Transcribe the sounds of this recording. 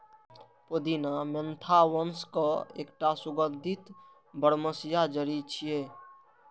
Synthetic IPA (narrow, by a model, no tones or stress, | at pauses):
pod̪inamənt̪ʰawənskɔḛːkʈasʊɡəd̪ʱit̪ | bəɽməsijad͡ʒəɾit͡ʃʰije